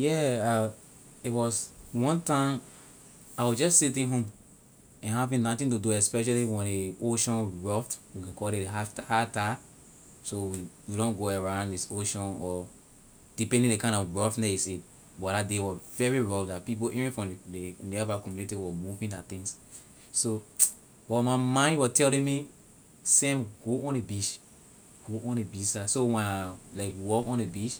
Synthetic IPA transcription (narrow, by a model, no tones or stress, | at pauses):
jɛa | itwɔswɔ̃ntãɪ̃m | aɪwid͡ʒɔssitĩnɦõm | ɛ̃nhavĩnnɔtĩnt̬uduɛspɛʃaliwɛ̃neoʃɔ̃nɹɔftwikɛ̃kʰɔdiahata | sowijiɾɔ̃nɡoaɹãʊ̃nddisoʃɔ̃nɔ | d̥ipɛ̃ndĩŋdekãɪ̃nɔfbɔfnɛisit | bɔdadewɔvɛɹiɹɔldatpip̬oʔivɛ̃nfɹɔ̃mdenɛvakɔ̃mjunitiwɔmuvĩndat̪ĩŋs | so | bɔmamãɪ̃ndwɔtɛldɛ̃mi | sẽmɡoʔɔ̃nebiʃ | ɡ̥oʔɔ̃nebisasowɛ̃nalaɪkwɔkɔ̃nebiʃ